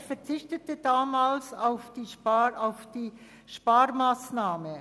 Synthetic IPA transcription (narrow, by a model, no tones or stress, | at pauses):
fɛʁt͡sɪçtətəd̥aːmaːlsaʊfd̥iːʃaʊfd̥iː | ʃpaːɾmaːsnaːmə